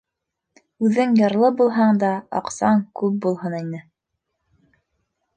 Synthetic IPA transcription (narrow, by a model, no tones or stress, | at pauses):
ʉðɘŋjɤ̆ɾlˠɤbulˠɦɑɴd̪ɑɑ̰qsɑŋkʉp̚bulˠɦɤninɘ